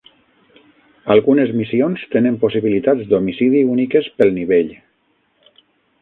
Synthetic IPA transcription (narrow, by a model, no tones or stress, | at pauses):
alˠɣunezmisionst̪enẽmposiβilit̪ad̪d͡zd̪omisiðiunikespelˠniβeʎ